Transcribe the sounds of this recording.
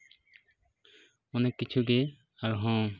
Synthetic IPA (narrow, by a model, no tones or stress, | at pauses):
ɔnekːit͡ʃʰuɡe | aɾɦɔ̃